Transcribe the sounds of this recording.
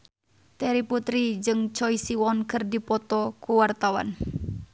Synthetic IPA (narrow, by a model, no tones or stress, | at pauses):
t̪ɛɾiput̪ɾid͡ʒɨŋt͡ʃɔisiwɔnkɨrdipɔt̪ɔkuwart̪awa̰n